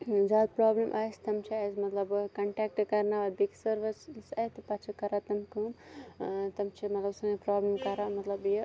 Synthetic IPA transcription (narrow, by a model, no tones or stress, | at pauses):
zaːd̪̚pɾaːblimʔaːst̪ɐmt͡ʃʰiɐsmɐt̪lɐbkɐɳʈeːk̚ʈkɐɾnaʋɐb̪iksɐɾʋɐssɐjt̪ɨpɐt͡ʃʰikɐɾat̪ɐmkun | t̪ɐmt͡ʃʰimɐt̪lɐbsɐŋepɾaːblimkɐɾamɐt̪lɐbji